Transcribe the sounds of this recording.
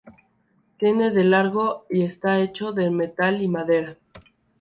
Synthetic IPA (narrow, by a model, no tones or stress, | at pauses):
t̪je̞ne̞ðe̞laɾɣo̞ie̞st̪ae̞t͡ʃo̞ðe̞me̞t̪alimaðe̞ɾa